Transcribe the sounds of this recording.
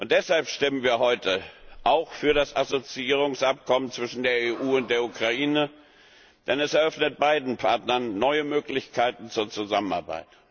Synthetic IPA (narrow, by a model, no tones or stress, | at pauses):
ʔʊnt̚d̥ɛshalpʃtɪmənviːɐɦɔʏtʰəʔaʊxfyːɐɾasazot͡siiːʁ̞ʊŋsʔap̚kʰɔmənt͡sv̥ɪʃn̩deːɐeːʔuːʊnt̚d̥eːɐʔukʁ̥aʔiːnə | d̥ɛnɛsɛɐœfnət̚b̥aɪdn̩pʰaɐtnɐnːɔʏəmøːklɪçkʰaɪtn̩t͡suːɐt͡suzaməna̰ɐba̰ɪt